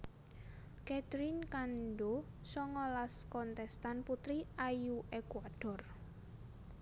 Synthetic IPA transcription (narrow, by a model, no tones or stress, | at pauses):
kɛt̪ɾinkanɖo | sɔŋɔlaskɔnt̪ɛst̪anput̪ɾiajuʔekwaɖ̥ɔ̤r